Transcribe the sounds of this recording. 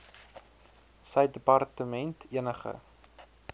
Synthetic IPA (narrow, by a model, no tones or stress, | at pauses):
səjdəpɑrtəmɛntʰiənəχə̰